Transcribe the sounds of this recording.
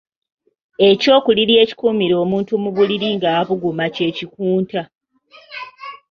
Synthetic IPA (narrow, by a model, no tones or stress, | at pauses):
e̞co̞ːkuliɾje̞ːci̥kuːmiɾo̞ːmuːntumuβuliɾiŋɡaβuɡumace̞cikuːnta